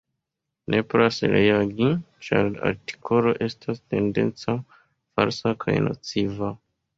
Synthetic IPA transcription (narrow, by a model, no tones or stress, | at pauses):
nʔe̞poɾasɾeaɡi | t͡ʃaɾa̰ɾti̥kʰo̞lo̞ʔe̞stʰaste̞nde̞̰nt͡sa | faɾsakʰajnʔo̰t͡siva